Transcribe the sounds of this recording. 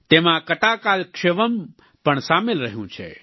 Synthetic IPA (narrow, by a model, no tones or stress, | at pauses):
t̪eːmãkət̪akaːlkʃeʋəm | pəɳsaːmɪlɾəɦjũt͡ʃʰḛ